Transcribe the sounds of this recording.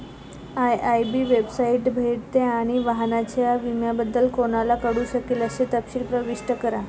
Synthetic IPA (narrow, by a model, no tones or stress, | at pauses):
ajajbiːʋebsaiʈbʱeɽt̪eaɽ̃iʋaɦnat͡ɕjaʋimjabəd̪ːəlkoɽ̃alakəɽuːɕəkeləɕet̪əpɕiːlpɾəʋiʂʈəkəɾa